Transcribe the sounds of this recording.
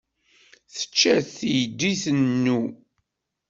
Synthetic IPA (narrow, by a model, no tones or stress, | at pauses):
θə̥t͡ʃːæθjd̪ːiθənːu